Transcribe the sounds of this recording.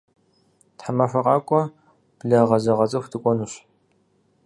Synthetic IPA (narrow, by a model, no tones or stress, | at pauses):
tħamɐfʷɐqʼɑːkʷʼɔ | b̥ɮɐʁɐzɐʁɐt͡sʼɐxʷtʰɨkʷʼɔnuɕ